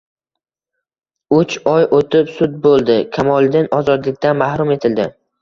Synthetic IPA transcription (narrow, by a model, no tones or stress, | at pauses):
ʊt͡ʃɒjʔot̪ʰɪpsʊd̪̚bolˠd̪ɪkʲʰamɒlˠd̪ɪnɒzɒd̪lɪk̚ʲt̪anmahɾʊme̞t̪ʰɪld̪ɪ